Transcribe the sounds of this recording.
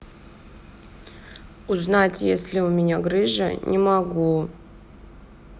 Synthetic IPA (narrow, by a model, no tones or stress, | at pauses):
uznatʲjesʲlʲɪʊmʲɪnʲaɡɾɨʐə̰nʲʔɪmɐɡu